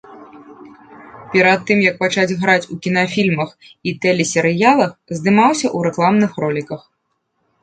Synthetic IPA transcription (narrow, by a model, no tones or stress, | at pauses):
pʲɛɾat̪ːɨmjɐk̚pat͡ʂad͡zʲɣɾat͡sʲukʲinɐfʲilʲmɐx | it̪ɛlʲɛsʲɛɾɨjalˠɐxzd̪ɨmawsʲɐʔuɾɛklˠamnɨxrɔlʲikɐx